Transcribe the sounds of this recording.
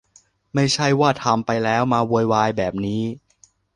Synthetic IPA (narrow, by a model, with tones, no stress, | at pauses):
ma˥˩jt͡ɕʰa˥˩jwaː˥˩t̪ʰa˧mpa˧jlɛː˦˥wmaː˧wuː˧jwaː˧jbɛː˨˩p̚niː˦˥